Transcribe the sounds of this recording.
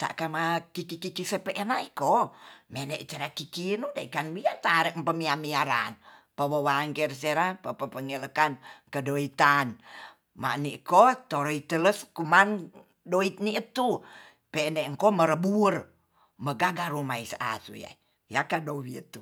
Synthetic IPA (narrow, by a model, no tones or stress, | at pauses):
t̪a̰ʔkamakikikikisəpeʔənaikomɛnɛʔt͡ʃəɾakikinudaikanwiat̪aɾəʔmpəmiamiaɾa̰npəwəwaːnkɛrs̬eɾapəpəpəŋələkankədoit̪an | ma̰nikot̪oɾoit̪ələskuman | doit̪̚niət̪u | pɛnɛŋkoməɾəbur | məɡaɡaɾumaisəʔa̰sṵja̰ | jakadowiət̪u